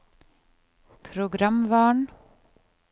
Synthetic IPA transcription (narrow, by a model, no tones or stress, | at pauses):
pʰɾʊɡɾamʋɑːɳ